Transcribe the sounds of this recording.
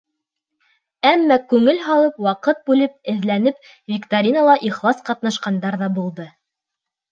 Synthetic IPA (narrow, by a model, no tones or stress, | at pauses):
æmːækʉŋɘlɦɑlˠɤpwɑqɤt̪̚bʉlɘp̚ɘ̆ðlænɘp̚ | vʲikt̪aɾʲinalˠɑʔiχlˠɑsqɑt̪nɑʃqɑnd̪ɑɾðɑbulˠd̪ɤ